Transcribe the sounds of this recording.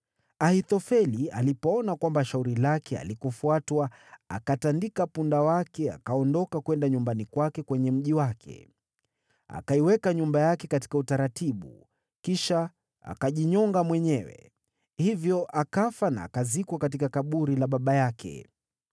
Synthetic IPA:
ahitɔfɛlia̰lipɔɔnakwambaʃauɾilakɛa̰likɔfuatwaa̰katandikapundawakɛa̰kaɔndɔkakwɛndaɲumbanikwakɛkwɛɲɛm̩ʄiwakʰɛ̰ | a̰kaiwɛkaɲumbajakɛkati̥kautaɾatiɓṵ | kiʃa | a̰kaʄiɲɔŋɡamwɛɲɛwɛ̰ | hivjɔʔakafana̰ːkazikwakatikakaɓuɾilaɓaɓajakʰɛ̰

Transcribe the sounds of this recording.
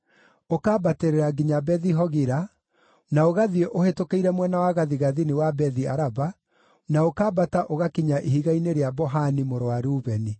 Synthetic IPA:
okaːbateɾeɾaɡiɲabɛðiɦɔɣiɾa | naoɣaðieʔohetokeiɾɛmwɛnawaɣaðiɣaðiniwabɛðiaɾaba | naokaːbataʔoɣakiɲaʔehiɣaineɾeabɔɦanimoɾowaɾuːβɛni

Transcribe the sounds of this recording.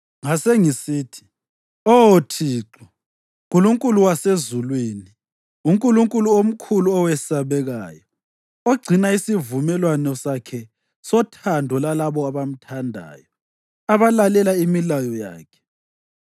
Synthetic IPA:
ŋaseŋisiːtʰi̥ | ɔotʰiːǁu | ŋkʼuluŋkʼuluwasezulweːni | uŋkʼuluŋkʼuluom̩kʰuluɔwɛsaβɛɣa̰ːjɔ | oɡ͡ǀʱinaisivumɛlwanɔsakʰɛ | sɔtʰandʱɔlalaβɔaβam̩tʰandʱa̰ːjɔ | aβalalɛlaimilajɔja̰ːkʰɛ̥

